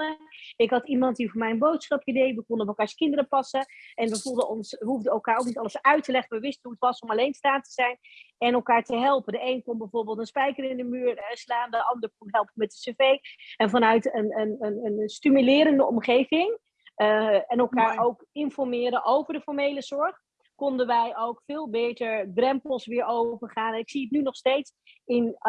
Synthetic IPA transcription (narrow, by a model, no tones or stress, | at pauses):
əɪkɦɑtimɑnt̚difʊːmɛjənbowtsχɑpidejʋəkɔndənɔpəlˠkaːɹskɪndəɾəpɑsəɛnʋəvulˠdəɔnsʋəɦuvdəɛlˠkaːɹowk̚nitɑlˠəsœɥtəlɛχənʋəʋɪstənɦuətʋɑsɔmalejnstaːntəz̥ɛjnɛnɛlˠkaːɹtəɦɛlˠpədəejnkonbɛjvoːɹbɪːlˠtənspɛjkərɪndəmyːɹəslaːndəʔɑndəɹkunɦɛlˠpəmɛt̚dəsevejɛnvɑnœɥtənənənənstymylɪːɾəndəʔɔmχejvɪŋ | ɛnɛlˠkaːɹowkɪnfɔɹmɪːɾənʔowvəɹdəfɔɹmejləz̥ɔɹχ | kɔndənʋɛjʔowkfɪːlˠbejtəɹbrɛmpəl̩ˠsʋɪːɹowvəɹχaːnɛnɪksiətnynɔχstejts | ɪn